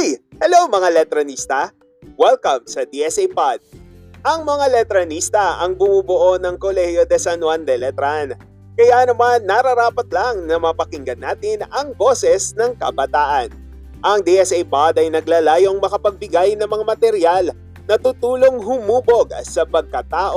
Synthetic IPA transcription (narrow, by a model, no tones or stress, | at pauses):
jhɛlowmɐŋalɛt̪ɾɐnist̪ɐ | wɛlkɐmsɐd̪iʔɛsejpad̪̥̚ʔɐŋmɐŋalɛt̪ɾɐnist̪ɐɐŋbʊmubʊʔo̞nɐŋkolɛhjod̪ɛsɐnwand̪ɛlɛt̪ɾan | kɐjanɐmanːɐɾɐɾaːpɐt̪̚lɐŋnɐmɐpɐkɪŋɡɐnːaːt̪ɪnɐŋbo̞ːsɛsnɐŋkɐ̰bɐt̪aːʔɐn | ʔɐŋd̪iʔɛsʔɛjpad̪ɐjnɐɡlaːlaːjo̞ŋmɐkɐpɐɡ̚bɪɡajnɐŋmɐŋamɐt̪ɛɾjal | nɐt̪ut̪uːloŋɦʊmuːbo̞ɡsɐpɐɡ̚kɐt̪aːʔo